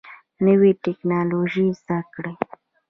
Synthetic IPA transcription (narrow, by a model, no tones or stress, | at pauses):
nəwiʈɪknɑloʒizd̪akɽe